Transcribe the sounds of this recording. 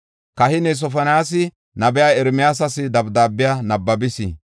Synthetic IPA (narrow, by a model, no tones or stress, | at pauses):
kɐhɪnɛs̬ɔfɐnaːs̬ɪ | nɐbɛjaːɛɾmɪjaːs̬ɐsɪd̪ɐbd̪aːbːɪjaːnɐbːɐbɪsḭ